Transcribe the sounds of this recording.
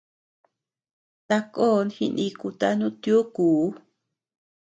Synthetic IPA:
t̪a˧ko˦˧nhḭ˧nĩ˧ku˧t̪a˦nũ˦t̪jo˦kuː˨˦

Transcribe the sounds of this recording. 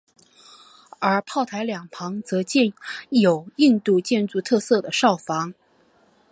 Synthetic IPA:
ə˞˧˥pʰɑ˥˩ʊt̪ʰa˧˥ɪljɑ˨˩ŋpʰɑ˧˥ŋt͡sɤ˧˥t͡ɕɛ˥˩njo˨˩ʊi˥˧nt̪u˥˧t͡ɕjɛ˥˧nt͡su˥˧t̪ʰɤ˥˧sɤ˥˩d̪ə˩ʂɑ˥˩ʊfɑ˧˥ŋ

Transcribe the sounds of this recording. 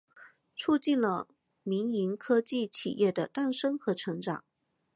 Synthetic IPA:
t͡sʰu˥˧t͡ɕi˥˩nlə˩ | mi˧˥ŋi˧˥ŋkʰɤ˥t͡ɕi˥˩t͡ɕʰḭ˨˩jʔɛ˥˩d̪ə˩t̪a˥˩nʂɤ˥ŋxɤ˧˥ʈ͡ʂʰɤ˧˥ŋʈ͡ʂɑ̰˨˩˦ŋ

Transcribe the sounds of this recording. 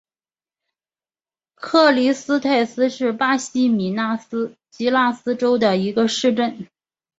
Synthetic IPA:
kʰɤ˥˩li˧˥sɹ̩˥t̪ʰa˥˩ɪsɹ̩˥ʂɻ̩˥˩pa˥ɕi˥mi˨˩na˥˩sɹ̩˥t͡ɕi˧˥la˥˩sɹ̩˥ʈ͡ʂo˥ʊd̪ə˨i˧˥ɡə˧ʂɻ̩˥˧ʈ͡ʂə˥˩n

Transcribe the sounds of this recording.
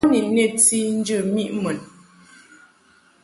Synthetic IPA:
ni˨ne˦˨ti˦n̩˦d͡ʒə˦˨mi˦ʔmə˨n

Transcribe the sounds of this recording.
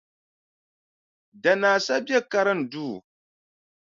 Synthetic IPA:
da˨naː˨sa˦bje˦ka˦ɾɨ˦n̩˨duː˦˨

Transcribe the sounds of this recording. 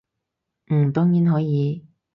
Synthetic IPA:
m̩˨˩t̪ɔː˥ŋjiː˨˥nɦɔː˨˥jiː˨˧

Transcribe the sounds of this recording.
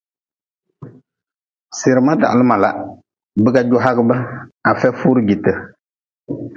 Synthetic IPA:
sɪ˨ɾɨ˨ma˦da̰˨ʔlɨ˦ma˨la˨ | bɨ˦ɡa˦d͡ʒʊ˦ɦa˦ɡɨ˦bɨ˦a˨fɛ˦fu˦ɾɨ˦ɡi˨tɨ˨

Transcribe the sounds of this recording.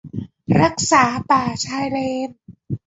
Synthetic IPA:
ɾa˦˥k̚saː˩˦paː˨˩t͡ɕʰaː˧jleː˧n̚

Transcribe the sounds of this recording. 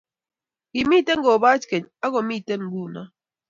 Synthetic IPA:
ɡi˨mi˦˨te˦n˦ɡɔ˨ba˦t͡ʃkɛ˨ɲa˦ɡɔ˨mi˦˨te˦n˦ɡu˦˨na̰˦

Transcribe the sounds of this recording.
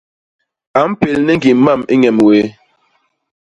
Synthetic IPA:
a˨m̩˦pe˨lnɛ˦ŋ˦ɡi˨m̩˦ma˦˨mi˦ɲɛ˨mwe˨˦

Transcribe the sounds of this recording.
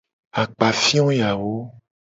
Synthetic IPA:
a˨k͡pa˨fĩ˦ɔ̃˦ja˨wo˦

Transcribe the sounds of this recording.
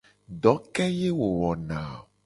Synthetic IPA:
ɖɔ˨˦kɛ˦je˦wo˨wɔ˨nã˨

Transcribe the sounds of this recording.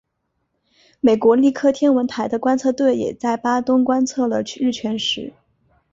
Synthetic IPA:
me˨˩ɪkwɔ˧˥li˥˧kʰɤ˥˩t̪ʰjɛ˥nwə˧˥nt̪ʰa˧˥ɪd̪ə˧kwa˥nt͡sʰɤ˥˧t̪we˥˩ɪjɛ̰˨˩t͡sa˥˩ɪpa˥t̪ʊ˥ŋkwa˥nt͡sʰɤ˥˩lə˩˥ɻ̩˥˩t͡ɕʰɥɛ˧˥nʂɻ̩˧˥

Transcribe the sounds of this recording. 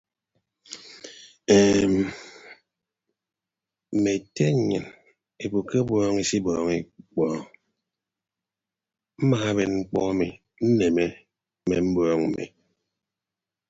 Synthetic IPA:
eː˨m˨ | me˨te˦˨ɲɨ̰˨n | e˨bu˨ke˦bɔː˦ŋi˨si˦bɔː˨˦ŋi˦k͡pɔː˦ | m̩˦ma˨a˦be˨nŋ͡m̩˦k͡pɔ̰˦a˦mi˨ | n̩˦ne˨me˦ | me˨m̩˦bɔː˦ŋm̩˨mḭ˨

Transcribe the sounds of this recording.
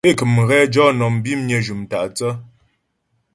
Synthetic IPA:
e˦˨kɨ˨mɣɛ˦d͡ʒɔ˦nɔ˨m˨bi˦m˦ɲə˨d͡ʒu˨mta˨ʔt͡sə˦

